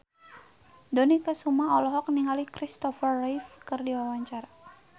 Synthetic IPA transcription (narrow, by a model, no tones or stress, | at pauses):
donikəsumaɦɔlɔɦɔk̚niŋalikɾist̪ɔfərːajfkɨrdiwawaɲt͡ʃara